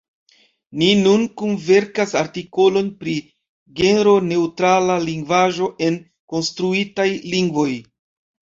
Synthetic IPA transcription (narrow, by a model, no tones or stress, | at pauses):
ninunkunve̞ɾkasaɾtiko̞lo̞npɾi | ɡe̞neɾo̞ne̞utɾalaliŋɡvaʒo̞ʔe̞n | ko̞nstɾuitajliŋɡvo̞j